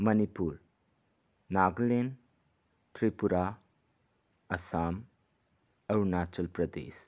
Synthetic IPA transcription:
mɐnipuɾ | naɡlen | tɾipuɾa | ɐsam | ɐɾnat͡ʃɐlpɾɐdḛs

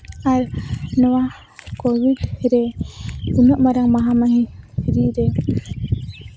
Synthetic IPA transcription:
aɾnɔwa | kɔwidɾɛ | unɔʔmaɾaŋmaɦamaɦiɾiɾɛ

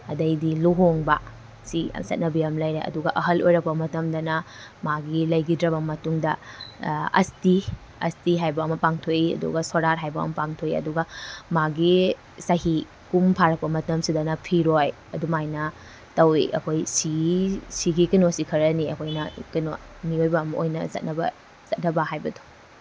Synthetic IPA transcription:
ɐdɐjdiluɦoŋbɐ | sḭsɐ̰t̚nɐbijɐmlɐjɾeʔɐ̰duɡɐʔɐɦɐlʔojɾɐk̚pɐmɐtɐmdɐnɐmaɡilɐjɡidɾɐbɐmɐtuŋdɐ | ɐ̰sti | ɐ̰stiɦajbɐːmɐpaŋtʰojiɐ̰dṵɡɐsoɾaɾɦajbɐɐ̰mɐpaŋtʰojḭɐ̰duɡɐmaɡi | sɐhi | kumpʰaɾɐk̚pɐmɐtɐmsidɐnɐpʰiɾoj | ɐdumajnɐ | tɐwḭʔɐ̰kʰojsisiɡikinosikʰɐɾɐniɐ̰kʰojnɐkinomiojbɐːmɐʔojnɐ̰zɐ̰t̚nɐbɐ̰ | z̥ɐt̚nɐbɐɦajbɐdo̥

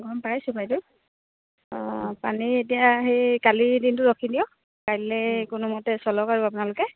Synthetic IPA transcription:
ɡɔmpajsʊpajtʊ | ɔ̃panietijaɦekalidintʊɹɔkʰidijɔ | kajlɛkʊnumɔtɛsɔlɔkaɹuap̬ʊnalʊkɛ

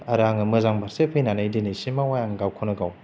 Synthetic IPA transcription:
aɾaŋɯmɯzaŋbaɾsepʰejnanajdinɯjsimawajaŋɡawkʰonɯɡaw

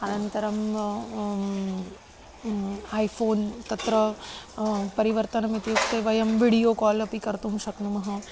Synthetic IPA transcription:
ɐnɐnt̪ɐɾɐm | aːjfʰoːnt̪ɐt̪ɾɐ | pɐɾiʋɐɾt̪ɐnɐmit̪jukt̪eʋɐjɐmʋiɽijoːkɔːlɐpikɐɾt̪umʃɐknumɐɦɐ

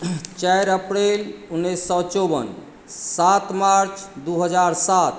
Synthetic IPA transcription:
t͡ʃajɾəpɾelunːesːɔt͡ʃobə̰n | sat̪maɾt͡ʃd̪uɦəd͡ʒaɾsat̪

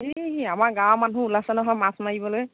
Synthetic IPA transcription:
ɦeɦamaɹɡãwmanũulasɛnɔɦɔjmasmaɡibɔloj

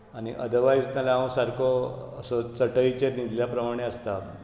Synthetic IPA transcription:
aɽ̃iʔə̰d̪əʋajsnalaãw̃saɾkʰoəsɔt͡səʈəjt͡ɕenid̪ʱljapɾəmaɽ̃eəst̪a

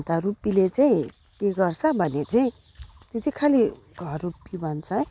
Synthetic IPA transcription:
t̪aɾupilet͡saĩ | keɡʌrsʰʌbʱʌnet͡saĩ | t̪etikʰali | ɡʱʌrrupːibʱʌnt͡sʰʌ

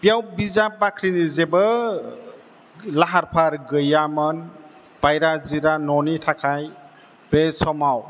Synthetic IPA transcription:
bijawbizapːakʰɾinizebə | laɦaɾpʰaɾɡɯjamən | b̥ajɾaziɾanɔnitʰakʰaj | besɔmaw

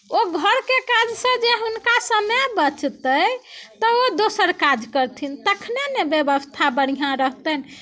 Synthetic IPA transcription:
oɡʱəɾkekad͡ʒsə̃d͡ʒeɦunkasəmebət͡ʃt̪ət̪ɔod̪osəɾkad͡ʒkəɾt̪ʰint̪əkʰnenebjebəst̪ʰabəɽ̃iɦãɾəɦt̪ən

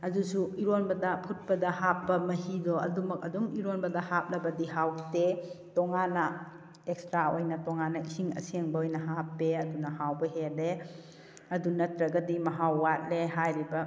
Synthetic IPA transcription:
ɐdusuiɾonbɐdɐpʰut̚pɐdɐhapːɐmɐhidɔɐ̰dumɐk̚ɐduŋiɾonbɐdɐhap̚lɐbɐdiɦawtetɔŋanɐ | ekstɾaojnɐtɔŋanɐisiŋɐ̰sieŋbɐojnɐɦapːeɐdunɐhawbɐɦele | ɐdunɐtɾɐɡɐdimɐɦawːat̚leɦajɾibɐ

